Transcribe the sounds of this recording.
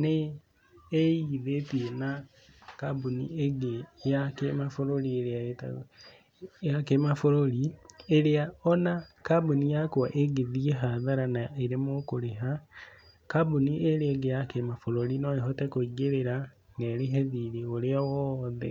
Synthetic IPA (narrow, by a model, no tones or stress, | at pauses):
ne | eiðetiena | kabunḭeɡejakemafoɾolieɾeaeta̰ | jakemafoɾolieɾeaɔnakabunijakoaʔeɡeðieɦaðaɾanaeɾemokoɾeɦa | kabuniʔeɾeeɡejakemafoɾolinoeɦotekoɡeɾeɾaŋɡeɾeɦeðiɾeoleawɔðḛ